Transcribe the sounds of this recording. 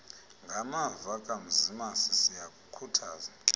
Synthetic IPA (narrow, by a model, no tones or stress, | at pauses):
ŋɡʱamavakʼam̩zimasisijakʼu̥kʰutʰaːza